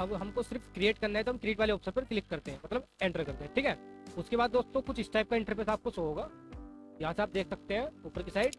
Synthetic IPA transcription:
ɐbɦɐmkosɪɾfkɾieːʈkɐɾnaɦɛt̪oɦɐmkɾieːʈʋaːleoːpsəɾpɐɾklɪkːɐɾt̪eɦɛ̃ːmɐt̪ləbɛ̃ɳʈəɾkɐɾt̪eɦɛ̃ʈʰiːkɦɛːʊskebaːd̪̚d̪oːst̪ːõkʊt͡ʃʰɪsʈaːɪp̚kaɪ̃ɳʈəɾp̬ɾesaːp̚kosooːɡaːjɐɦãseaːp̚d̪eːkʰsɐk̚t̪eɦɛ̃ːupəɾkisaːɪɖ

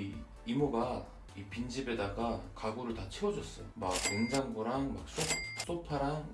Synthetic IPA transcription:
i | imoɡa | ipind͡ʑibe̞daɡakaɡuɾɯɭtat͡ɕʰewʌd͡ʑʌs͈ʌmaɡ̚ɯŋd͡ʑaŋɡoɾaŋmak̚s͈os͈opʰaɾaŋ

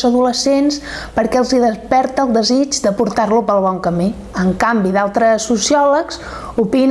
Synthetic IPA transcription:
zəðuləsenspəɾkɛəlˠziðəspɛɾt̪əːlˠd̪əzid͡ʒd̪əpuɾt̪arlupəlˠβ̞ɔŋkəmi | əŋkambiðalˠt̪ɾəsːusiɔləks | upin

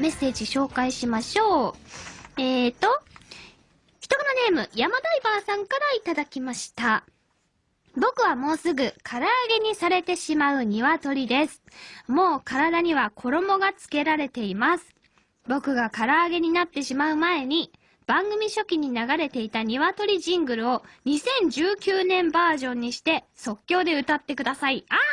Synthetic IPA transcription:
me̞sːe̞ːd͡ʑiɕo̞ːkaiɕimaɕo̞ː | eːt̪o̞ | çi̥t̪o̞konane̞ːmɯ̟jamad̪aibaːsãŋkaɾait̪ad̪akʲimaɕi̥t̪a | bo̞kɯ̟βamo̞ːsɨɡɯ̟kʰaɾaːɡe̞ɲ̟isaɾe̞t̪e̞ɕimaɯ̟ɲ̟iβat̪o̞ɾʲid̪e̞sɨ̥mo̞ːkaɾad̪aɲ̟iβakʰo̞ɾo̞mo̞ɡat͡sɨ̥ke̞ɾaɾe̞t̪e̞imasɨ̥ | bo̞kɯ̟ɡakaɾaːɡe̞ɲ̟inat̪ːe̞ɕimaɯ̟mae̞ɲ̟i | b̥ãŋɡɯ̟mʲiɕo̞kʲiɲ̟inaɡaɾe̞t̪e̞it̪aɲ̟iβat̪o̞ɾʲiʑĩŋɡɯ̟ɾɯ̟o̞ɲ̟isẽ̞ɲ̟d͡ʑɨːkʲɨːnẽ̞mbaːʑõ̞ɲ̟ːiɕi̥t̪e̞so̞kʲːo̞ːd̪e̞ɯ̟t̪at̪ːe̞kɯ̟d̪asaia

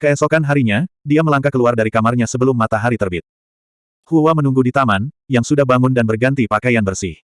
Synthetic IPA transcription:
kəɛsokanɦaɾiɲadiaməlaŋkakəluardaɾikamarɲasəbəlʊmːat̪aɦaɾit̪ərbɪt̪̚ | huwamənuŋɡudit̪amanjaŋsudahbaŋʊndanbərɡant̪ipakajanbərsɪh

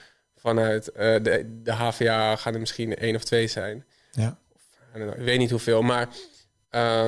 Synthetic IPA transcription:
fanœɥtədəɦaːfeaːxanəmɪsxinʔeːnɔftʋejzɛjn | an̰kʋeːtnithufeːlˠmaɹ | ə

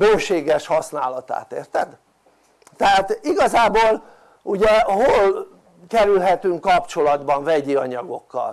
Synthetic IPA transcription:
bøːʃeːɡɛʃhɒsna̰ːlɒt̪a̰ːt̪ḛːrt̪ɛd̪ | t̪ɛɦaːt̪iɡɒzaːboːl | uɟɛɦol | kɛɾylɦɛt̪yŋkːɒpt͡ʃo̞lɒd̪bɒɱvɛɟiɒɲɒɡo̞kːɒ̰l

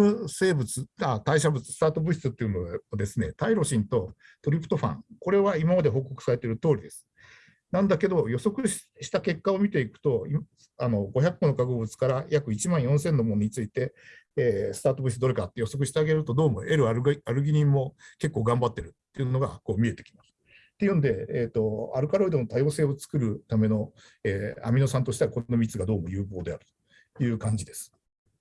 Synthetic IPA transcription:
ɯse̞ːbɯ̟t͡sɨat̪aiɕabɯ̟t͡sɨ̥sɨ̥t̪aːt̪o̞bɯ̟ɕi̥t͡sɨt̪ːeiɯ̟nood̪e̞sɨne̞̰t̪aiɾo̞ɕĩnt̪o̞ | t̪o̞ɾʲipɯ̟̥t̪o̞ɸã̰ŋko̞ɾe̞βaimamad̪e̞ɦo̞ːko̞kɯ̟̥saɾe̞t̪e̞ɾɯ̟t̪o̞ːɾid̪e̞sɨ̥ | nãnd̪ake̞d̪o̞jo̞so̞kɯ̟ɕ | ɕi̥t̪ake̞kːaomʲit̪e̞ikɯ̟̥t̪o̞im | ano̞ɡo̞çakːõnokakobɯ̟t͡sɨ̥kaɾajakɯ̟it͡ɕimãɰ̃jõsẽ̞nːomo̞n̟it͡sɨit̪e̞ː | sɨ̥t̪aːt̪o̞bɯ̟sd̪o̞ɾe̞kat̪ːejo̞so̞k̬ɯ̟ɕi̥t̪eaɡe̞ɾɯ̟t̪o̞d̪o̞ːmo̞̰ʔe̞ɾɯaaɾɯ̟ɡʲiɲʲĩmːo̞ke̞kːoːɡãmbat̪ːe̞ɾɯ̟t̪ːejɯ̟no̞ɡako̞ːmʲie̞t̪e̞̥kʲi̥masɨ̥ | t̪ːe̞jɯ̟nod̪e̞et̪ːo̞aɾɯ̟kaɾo̞id̪o̞not̪ajo̞ːse̞ːo̞t͡sɨ̥kɯ̟ɾɯ̟t̪ame̞no̞ | eːa̰mʲino̞sãnt̪o̞ɕit̪eako̞ɾnomʲit͡sɨɡad̪o̞ːmo̞jɯ̟ːbo̞ːd̪e̞aɾɯ̟t̪o | jɯ̟ːkãɲ̟d͡ʑid̪e̞sɨ̥

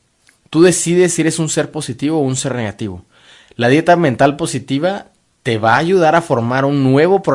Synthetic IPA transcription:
t̪uðe̞siðe̞sie̞ɾesunse̞ɾpo̞sit̪iβo̞unse̞ɾne̞ɣat̪iβo̞ | lað̞je̞t̪amẽ̞nt̪alpo̞sit̪iβa | t̪e̞βaːʝuð̞aɾafo̞ɾmaɾunːwe̞β̞o̞pɾo

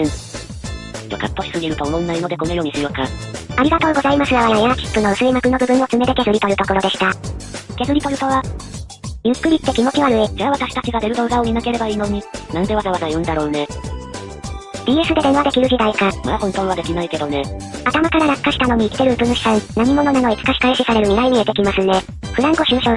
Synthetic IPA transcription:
ẽŋ | d͡ʑo̰ka̰pːo̞ɕi̥sɨɡʲiɾɯ̟t̪onõnːaino̞d̪e̞ko̞no̞jo̞ːɲ̟isɨjoka̰aɾʲiɡat̪o̞ːɡo̞zaimasɨɡaβajajakʲi̥kːɯ̟no̞ɯsɨɾʲimabɯ̟no̞bɯ̟bɯ̟̃ɰ̃o̞t͡sɨme̞d̪ek̪e̞zɨɾʲit̪ojɯ̟t̪o̞koɾo̞d̪e̞ɕi̥t̪ak̪e̞zɨɾʲit̪o̞ɾɯ̟t̪o̞βa | jɯ̟kːɯ̟ɾʲit̪ːe̞kʲimo̞t͡ɕiβaɾɯ̟ed͡ʑaːβat̪aɕi̥t̪at͡ɕiɡad̪e̞ɾɯ̟d̪oɯ̟ɡaomʲinake̞ɾe̞baiːno̞ɲ̟inãnd̪e̞βazaβazajɯ̟̃nd̪aɾo̞ːne̞ | b̥ʲiːe̞sɨd̪e̞d̪ẽ̞ɰ̃βad̪e̞kʲiɾɯ̟ʑid̪aikamad̪ahõ̞nt̪õ̞ːɰ̃βad̪e̞kʲinaike̞d̪o̞ne̞at̪amakaɾanakkːaɕi̥t̪ano̞ɲ̟iːkʲi̥t̪e̞ɾɯːbɯ̟̃ɕi̥sãnaɲ̟imo̞no̞nano̞it͡sɨ̥kaɕi̥kaiɕisaɾe̞ɾɯ̟ɲʲiɡaiɲ̟iet̪e̞kʲimasɨne̞ | ɸɯ̟ɾãŋkoɕɨːɕo

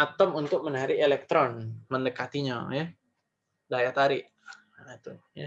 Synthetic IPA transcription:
at̪əmunt̪ʊk̚mənaɾielɛk̚t̪ɾɔnməndəkat̪iɲa̰jɛ | dajat̪aɾiʔ | t̪uja

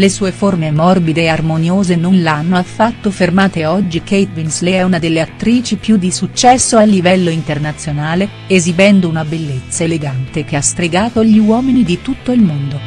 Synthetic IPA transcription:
lesuːeformemɔrbid̪eːarmonjoːzenonlanːoafːat̪ːofermaːt̪eɔd͡ʒːikejt̪vinsleɛunad̪elːeat̪ːɾiːt͡ʃipjud̪isut͡ʃːɛsːoalːivɛlːoint̪ernat̪sːjonaːle | ezibɛnd̪ounabelːet̪sːaeleɡant̪ek̟east̪ɾeɡaːt̪oʎiwɔːminid̪it̪ut̪ːoilmond̪o

